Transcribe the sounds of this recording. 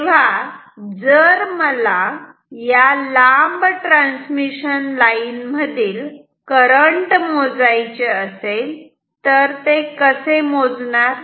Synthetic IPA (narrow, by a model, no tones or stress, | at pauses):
ʋa | d͡zəɾməla | jalambʈɾãnsmiɕənlainməd̪ʱiːl | kəɾəɳʈmod͡zajt͡ɕeəsel | t̪əɾt̪ekəsemod͡znaɾ